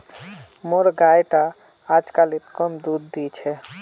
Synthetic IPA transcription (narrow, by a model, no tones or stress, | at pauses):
moɾɡajʈaː | d͡ʒkalit̪kɔmd̪ud̪ːit͡ʃʰɛ